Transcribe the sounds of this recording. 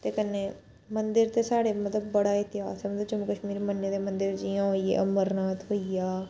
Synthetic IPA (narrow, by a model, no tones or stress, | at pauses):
t̪eːkənːeː | mənd̪ɪɾt̪eːsaːɽeːmət̪ləbːəɽaːɪt̪ɪɦa̰ːsɛːmət̪ləbd͡ʒəməkəʃmiːɾmənːeːd̪eːmənd̪ɪɾd͡ʒɪjãːɦoːiḛːʔəməɾnaːt̪ɦoijaː